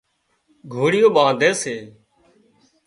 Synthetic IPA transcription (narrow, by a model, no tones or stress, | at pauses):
ɡʱoːɽɪjoːɓãːd̪ʱeːseː